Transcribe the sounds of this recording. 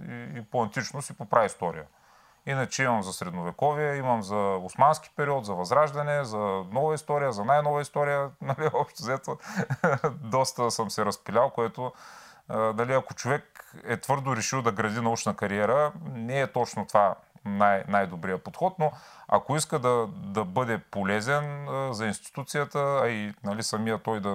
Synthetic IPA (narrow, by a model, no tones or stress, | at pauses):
iːpoɐnt̪it͡ʃnosipopɾʔaist̪ɔɾḭjə | inɐt͡ʃɛimɐmzɐsɾɛd̪novɛkɔviɛimɐmzɐʊsmanskʲi̥pɛɾiɔt̪zɐvɐzɾaʒd̪ɐnɛzɐnɔvəist̪ɔɾijəzɐnajnɔvəist̪ɔɾijənɐliɔpʃt̪ɛzɛt̪o | d̪ɔst̪əsəmsɛɾɐspilʲalˠkoɛt̪o | nɐliɐkot͡ʃovɛk̚ɛt̪vɤɾd̪ʊɾɛʃilˠd̪ɐɡɾɐd̪inɐut͡ʃnəkɐɾiɛɾənɛɛt̪ɔt͡ʃnot̪ovanajnajd̪obɾijəpot̪xɔt̪noɐ̰koiskəd̪ɐd̪ɐbɤd̪ɛpolɛzɛnzɐinst̪i̥t̪ut̪sijət̪əːinɐlisɐmijət̪ɔjd̪ɐ